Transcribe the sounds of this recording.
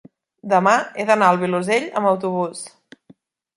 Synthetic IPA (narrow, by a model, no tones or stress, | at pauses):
d̪əmaeðənaəlˠβiluzeʎə̰mbəwt̪uβ̞us